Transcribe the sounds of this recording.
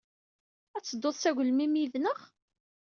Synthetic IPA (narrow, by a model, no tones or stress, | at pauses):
æt͡sːəd̪ːoðˤsæʝəlmimjiðnəχ